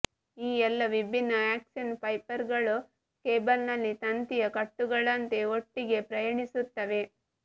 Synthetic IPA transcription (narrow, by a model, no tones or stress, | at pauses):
iːɛlːɐʋibʱinːɐaːksɐnpɐjpɐɾɡɐɭu | keːbɐlnɐlːit̪ɐnt̪ijɐkɐʈːuɡɐɭɐnt̪e̞oʈːiɡe̞pɾɐjɐɳisut̪ːɐʋe̞